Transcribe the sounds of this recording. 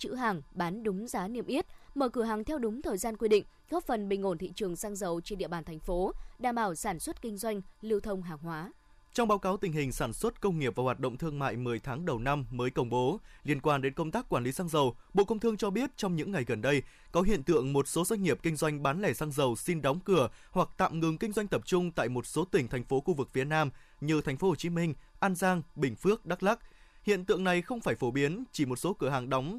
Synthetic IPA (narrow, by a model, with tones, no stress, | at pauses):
t͡ɕɨ̰˧˥ɦaː˨˩ŋɓaː˨˦nɗʊ˨˦ŋ͡mzaː˨˦ni˧˩əmʔi˦˥ət̚məː˧˩kɨ˧˩ɦaː˨˩ŋt̪ʰɛ˧wɗʊ˨˦ŋ͡mt̪ʰəː˨˩jzaː˧nkwi˧ɗḭ̈˧˨ŋ̟ | ɣɔ˦˥p̚fə˨˩nɓï˨˩ŋ̟o˧˩nt̪ʰḭ˧˨t͡ɕɨ˨˩əŋsaː˧ŋzə˨˩wt͡ɕe˧nɗḭ˧əɓaː˧˩nt̪ʰa˨˩ŋ̟fo˨˦ɗaː˨˩mɓaː˧˩wsaː˧˩nswə˦˥t̚kï˧ŋ̟zwa˧jŋ̟li˧əwt̪ʰə˧wŋ͡mɦaː˨˩ŋɦwaː˨˦ | t͡ɕɔ˧ŋ͡mɓaː˨˦wkaː˨˦wt̪ï˨˩ŋ̟ɦï˨˩ŋ̟saː˧˩nswə˦˥t̚kə˧wŋ͡mŋi˨˩əp̚vaː˨˩waː˨˩t̚ɗə̰˧˨wŋ͡mt̪ʰɨ˧əŋma̰ː˧˨jmɨ˨˩əjt̪ʰaː˨˦ŋɗə˨˩wna˧mməː˨˦jkə˧wŋ͡mɓo˨˦li˧ənkwaː˧nɗe˨˦nkə˧ŋ͡mt̪aː˦˥kːwaː˧˩nli˨˦saː˧ŋzə˨˩wɓo̰˧˨kə˧wŋ͡mt̪ʰɨ˧əŋt͡ɕɔ˧ɓi˦˥ət̚t͡ɕɔ˧wŋ͡mɲɨ̰˧˥ŋːa˨˩jɣə˨˩nɗə˧j | kɔ˨˦ɦḭ˧ənt̪ɨ̰˧˨əŋmo˨˩t̚so˨˦zwa˧jŋ̟ŋi˨˩əp̚kï˧ŋ̟zwa˧jŋ̟ɓaː˨˦nlɛ˧˩saː˧ŋzə˨˩wsi˧nɗa˨˦wŋ͡mkɨ˧˩əhwa˨˩k̚t̪a̰ː˧˨mŋɨ˨˩ŋkï˧ŋ̟zwa˧jŋt̪ə˨˩p̚t͡ɕʊ˧ŋ͡mt̪a̰ː˧˨jmo˨˩t̚so˨˦t̪ï˧˩ŋ̟t̪ʰa˨˩ŋ̟fo˨˦xu˧vɨ˨˩k̚fi˨˦ənaː˧m | ɲɨ˨˩t̪ʰj̟fo˨˦ho˨˩t͡ɕi˨˦mï˧ŋ̟ʔaː˧nzaː˧ŋɓï˧˩ŋ̟fɨ˦˥ək̚ɗa˦˥k̚la˦˥k̚hḭ˧˨ənt̪ɨ̰˧˨əŋna˨˩jxə˧wŋ͡mfaː˧˩jfo˧˩ɓi˨˦ənt͡ɕi˧˩mo˨˩t̚so˨˦kɨ˧˩əɦaː˨˩ŋɗɔ˨˦wŋ͡m